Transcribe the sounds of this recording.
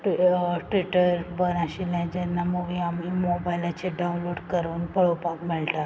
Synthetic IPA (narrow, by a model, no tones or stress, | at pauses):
ʈʈʋiʈəɾbənãɕilãd͡ʑɛnːaməɡiamiːmobajlat͡ɕeɖawunloɖkəɾuːnpəɭopakmilʈ̪a